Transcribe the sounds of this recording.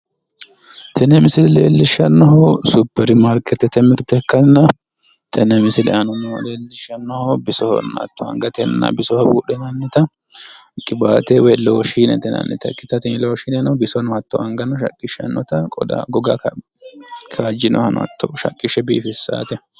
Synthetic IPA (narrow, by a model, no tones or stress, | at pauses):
t̪ʰɛnɛmɪsɪlɛlḛːlːɪʃːɐnːɔɦɔsʊbːɛɾɪmɐɾkɛt̪ːɛt̪ɛmɪɾt̪ɛkːɐnːɐ | t̪ʰɛnɛmɪsɪlɛʔɐnɔnɔleːlːɪʃɐnːɔhɔbɪsɔhɔ̰nːɐɐ̰t̪ːɔɐ̰ŋɡɐt̪ɛnːɐ̰bɪsɔhɔbuːɗɛnɐnːɪt̪ɐ | kʼːɪbaːt̪ɛwɛloɔʃiːnɛ̰t̪ɛnɐ̰nːɪt̪ɐ̰kːɪt̪ːɐt̪ɪloʃiːnɛnɔbɪsɔnɔɐt̪ːɔɐŋɡɐnːɐʃɐ̰kʼːɪʃːɐ̰nːɔt̪ɐkʼɔd̪a̰ɡɔɡɐk | kʰaːd͡ʒɪnɔ̰hɐnɔ̰ɐ̰t̪ʰːɔʃɐ̰kʼːɪʃːɛbiːfɪsːa̰ːt̪ɛ